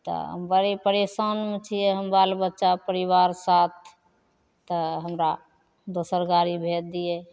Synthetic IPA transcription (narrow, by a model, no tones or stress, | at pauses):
t̪ɔ̰ɦə̰mbaɾipəɾesanmet͡ʃʰijeɦəmbalbətːʃapəɾiʋaɾsat̪̚ʰː | əɦəmɾa | d̪osəɾɡaɾibʱed̪ijɛ